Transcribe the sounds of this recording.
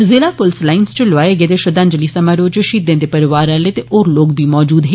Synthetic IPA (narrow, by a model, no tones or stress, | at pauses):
zɪlaːpʊlslaːɪnst͡ʃəlʊaːeɡeːd̪eʃəd̪ãɲd͡ʒəliːsɐmaɾoːd͡ʒʃiːd̪ẽːd̪epɐɾɪʋaːɾɛleːt̪eoːɾloːkbʱiːmɔːd͡ʒuːd̪ɦẽ